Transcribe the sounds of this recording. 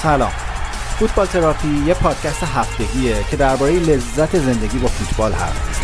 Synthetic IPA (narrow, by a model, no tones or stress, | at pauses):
sælɒ̰ːm | fut̪̚ʰbɒːlt̪ʰeɾɒːfijepʰɒːd̪̥̚cʰæst̪eɦæft̪e̞ɡiːecʰe̞d̪æɾbɒːɾejele̞zːæt̪ʰe̞ze̞nd̪e̞ɟiːbɒːfut̪ʰbɒːlhæ̰st̪